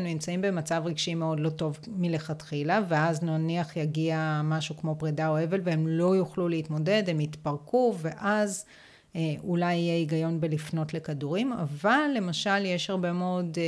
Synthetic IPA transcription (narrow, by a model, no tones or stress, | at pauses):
nunimt͡saimbe̞mat͡savʁiɡʃime̞o̞dlo̞to̞vmile̞χatχilaveaznaniaχjaɡiamaʃukmo̞pʁidaoe̞ve̞lveemlo̞juχluleitmo̞de̞dhemitpaʁkuve̞ʔaz | ʔulajijeiɡajo̞nbelifno̞tle̞kaduʁima̰valːe̞maʃaljeʃhaʁbe̞meod